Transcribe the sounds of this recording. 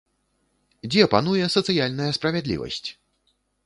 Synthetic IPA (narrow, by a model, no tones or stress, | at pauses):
d͡zʲɛpan̪ujɛsɐt̪sɨjalʲnɐjɐspɾɐvʲɛd̪lʲḭvɐ̰sʲt͡sʲ